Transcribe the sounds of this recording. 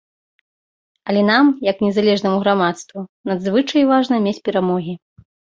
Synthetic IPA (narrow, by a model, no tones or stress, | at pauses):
ɐlʲɛnamjɐknʲɛzalʲɛʐnɐmuɣɾamat̪st̪vunad̪zvɨt͡ʂɐjvaʐnɐmʲet͡sʲpʲɛɾamɔɣʲi